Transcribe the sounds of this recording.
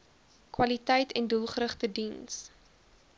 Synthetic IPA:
kwɐlitəjtʰɛndulˠχəɾəχtədins

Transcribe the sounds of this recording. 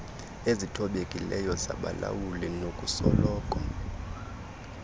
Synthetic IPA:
ezitʰɔɓekʼilɛjɔza̰ɓala̰wulɛnokʼusɔ̰lɔːkʼɔ

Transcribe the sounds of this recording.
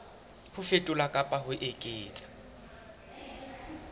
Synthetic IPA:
hʊfetʼʊlakʼapʼaɦʊʔekʼeːtʼḁ

